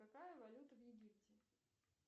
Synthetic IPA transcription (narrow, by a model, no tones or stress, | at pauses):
ɐkajəvɐlʲut̪əvjɪɡʲip̚tʲɪ